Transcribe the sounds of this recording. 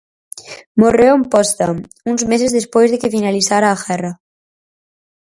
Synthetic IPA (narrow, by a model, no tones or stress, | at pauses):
moreompɔst̪am | unzmes̬ezðespojzðekefinaliθaɾaːxɛra